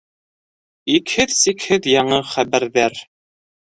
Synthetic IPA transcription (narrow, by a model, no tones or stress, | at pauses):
ikhɘðsikhɘðjɑɴɤχæβæɾðæɾ